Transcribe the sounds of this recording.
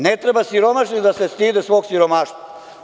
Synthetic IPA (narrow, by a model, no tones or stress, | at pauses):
net̪ɾebasiɾo̞maʃɲid̪asest̪iːd̪esʋo̞ːɡsiɾomaːʃt̪va